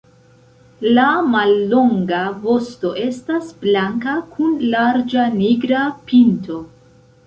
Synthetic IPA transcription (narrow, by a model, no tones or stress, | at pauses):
lamalːo̞ŋɡavo̞sto̞ʔe̞stasblaŋkakʰunlaɾd͡ʒaniɡɾapinto̞